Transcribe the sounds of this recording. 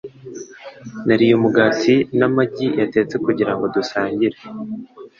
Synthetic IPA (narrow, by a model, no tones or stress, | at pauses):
naɾijomuɡaːsinamaɟijate̞ːt͡se̞kuɟiɾaŋɡo̞dusaːɲɟiɾe